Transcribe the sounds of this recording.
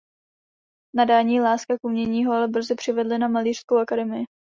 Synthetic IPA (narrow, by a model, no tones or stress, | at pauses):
nadaːɲiːlaːskakʔumɲɛɲiːɦoalɛbr̩zɪpr̝̥ɪvɛdlɪnamaliːr̥skowʔakadɛmɪjɪ